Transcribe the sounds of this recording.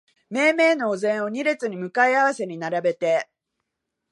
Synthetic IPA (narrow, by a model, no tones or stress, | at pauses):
me̞ːme̞ːno̞ːzẽ̞ɰ̃o̞ɲ̟iɾe̞t͡sɨɲ̟imɯ̟kaiaβ̞ase̞ɲ̟inaɾabe̞t̪e̞